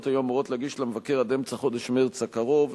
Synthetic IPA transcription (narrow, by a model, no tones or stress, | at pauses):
t̪hajuamuʁo̞tleaɡiʃlamevakeʁad̪emt͡saχo̞d̪eʃmeʁt͡sakaʁov